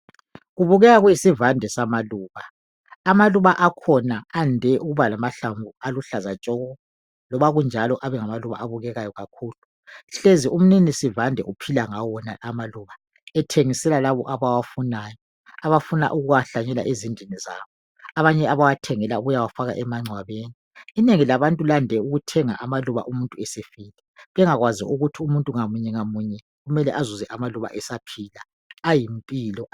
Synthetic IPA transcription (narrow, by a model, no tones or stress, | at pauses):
ɣuβuɣɛɣaɣwisivandʱɛsamaluːβa | amaluβaʔakʰɔnaandʱɛʔuɣuβalamaɬaɱvʱualuɬazat͡ʃʼɔːɣɔ | lɔβaɣund͡ʒʱalɔʔaβɛŋamaluβa̰ʔaβuɣɛɣajɔɣakʰuːlu | ɬeziʔum̩ninisivandʱɛʔupʰilaŋawɔna̰ʔamaluːβa | ɛtʰeŋisɛlalaβɔʔaβawafunaːjɔ | aβafuna̰ʔuɣuɣaɬaɲɛla̰ʔezindʱiniza̰ːβɔ | aβaɲɛaβawatʰɛŋɛlauɣujawafaɣa̰ʔɛmaŋ͡ǀʱwaβeːniː | neŋilaβantʼulandʱɛuɣutʰɛŋaʔamaluβa̰ʔumuntʼuɛsefiːlɛβɛŋaɣwazḭʔuɣutʰiumuntʼuŋamuɲɛŋamuɲɛ | ɣumɛlɛʔazuzɛʔamaluβa̰ʔɛsapʰilaː | jimpʼilɔ